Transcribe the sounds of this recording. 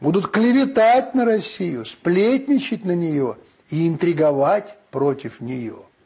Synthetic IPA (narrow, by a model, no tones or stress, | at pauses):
bud̪ʊt̪klʲɪvʲɪt̪atʲnəɾɐsʲːijʊsplʲetʲnʲɪt͡ɕɪtʲnənʲɪjo̞ | iɪnt̪ɾʲɪɡɐvatʲpɾotʲɪfnʲɪjo̰